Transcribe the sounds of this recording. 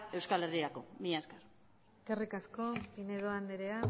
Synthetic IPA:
e̞wskale̞riɾako̞miɲaskar | skerikasko̞pineðoand̪eɾea

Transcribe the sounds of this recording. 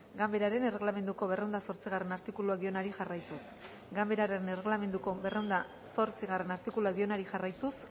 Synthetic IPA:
ɡambe̞ɾaɾe̞nere̞ɣlame̞nd̪uko̞βe̞reownd̪aso̞ɾt͡siɣare̞naɾt̪ikuluakd̪io̞naɾiʝarajt̪us | ɡambe̞ɾaɾenere̞ɣlame̞nd̪uko̞be̞rewnd̪a | so̞ɾt͡siɣ̞are̞naɾt̪ikuluakd̪io̞naɾiʝarajt̪us

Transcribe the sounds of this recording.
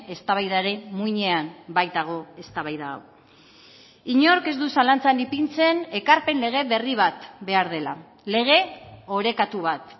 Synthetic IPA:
e̞st̪aβajðaɾe̞muiɲeambajt̪aɣ̞o̞e̞st̪aβajða̰w | iɲo̞ɾke̞zd̪usalant͡sanipint͡se̞ne̞kaɾpe̞nle̞ɣ̞e̞βe̞riβ̞at̪be̞aɾðe̞la | le̞ɣ̞e̞o̞ɾe̞kat̪uβ̞at̪

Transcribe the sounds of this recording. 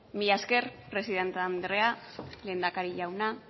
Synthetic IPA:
miʎaske̞rpɾe̞siðe̞nt̪eand̪ɾe̞ale̞ːnd̪akaɾiʎawna

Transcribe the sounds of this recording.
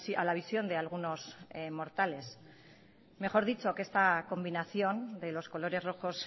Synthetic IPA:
alaβ̞isjo̞nd̪e̞alɣ̞uno̞smo̞ɾt̪ale̞s | me̞xo̞ɾðit͡ʃo̞keest̪ako̞mbinaθjo̞nd̪e̞lo̞sko̞lo̞ɾe̞zro̞xo̞s

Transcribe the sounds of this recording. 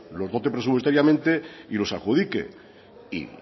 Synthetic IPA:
lo̞zðo̞t̪epɾesupwesaɾjamẽnt̪eilo̞saxuðikḛ | ḭ

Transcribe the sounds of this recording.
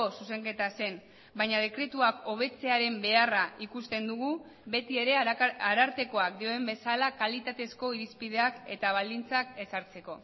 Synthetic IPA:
osuse̞ŋke̞t̪ase̞n | baɲað̞e̞kɾe̞t̪uako̞β̞e̞t͡se̞aɾe̞mbe̞araʔikust̪e̞nd̪uɣ̞u | βe̞t̪ie̞ɾe̞aɾaɾt̪e̞ko̞akd̪io̞embe̞salakalit̪at̪e̞sko̞iɾispiðe̞ake̞t̪aβ̞ald̪int͡sake̞saɾt͡se̞ko̞

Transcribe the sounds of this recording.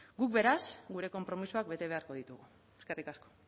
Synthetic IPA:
ɡuk̚be̞ɾasɡuɾe̞ko̞mpɾo̞misuak̚be̞t̪e̞β̞e̞aɾko̞ð̞it̪uɣu | eskarikasko̥

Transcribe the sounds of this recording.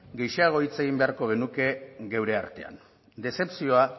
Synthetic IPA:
ɡe̞jʃaaɣ̞o̞it͡se̞ɣ̞imbe̞aɾko̞ɣe̞nuke̞ɣewɾe̞aɾt̪e̞a̰n | d̪e̞se̞psio̞a

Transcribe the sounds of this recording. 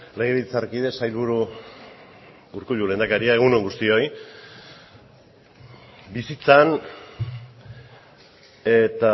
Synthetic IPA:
leɣeβit͡sarkiðesajlβuɾu | uɾkuʎule̞nd̪akaɾiae̞ɣ̞unoŋɡust̪io̞j | bisit͡san | e̞t̪a

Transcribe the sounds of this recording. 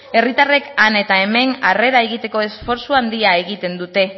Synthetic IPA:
e̞rit̪are̞kane̞t̪ae̞me̞nare̞ɾae̞ɣ̞it̪e̞ko̞e̞sfo̞ɾsuand̪iae̞ɣit̪e̞nd̪ut̪e̞

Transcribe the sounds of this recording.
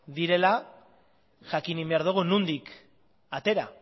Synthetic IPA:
ðiɾe̞la | ʝakinimbe̞aɾðuɣ̞unund̪ik | at̪e̞ɾa̰

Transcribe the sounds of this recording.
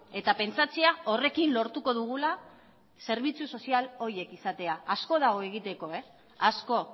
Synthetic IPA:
e̞t̪ape̞nt͡sat͡siao̞re̞kinlo̞ɾt̪uko̞ðuɣ̞ula | se̞ɾβ̞it͡suso̞sialo̞ɾje̞kisat̪e̞aasko̞ðaɣoe̞ɣ̞it̪e̞ko̞e̞ | asko̞

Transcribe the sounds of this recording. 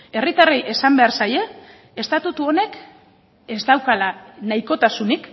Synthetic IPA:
e̞rit̪arejʔe̞sambe̞aɾsaje̞ | est̪at̪ut̪uo̞ne̞k | e̞zd̪awkalanajko̞t̪asunik

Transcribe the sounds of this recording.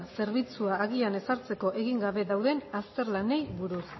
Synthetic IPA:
se̞ɾβit͡suaːɣiane̞saɾt͡se̞ko̞ʔe̞ɣiŋɡaβe̞ðawðe̞nast̪e̞ɾlane̞jβuɾus

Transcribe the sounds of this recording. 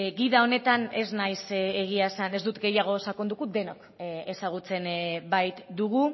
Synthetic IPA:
ɡiðao̞ne̞t̪ane̞znajseɣ̞iasane̞zd̪ut̪ɡe̞jaɣ̞o̞sakond̪ukud̪e̞no̞k | esaɣ̞ut͡se̞nbajt̪d̪uɣ̞u

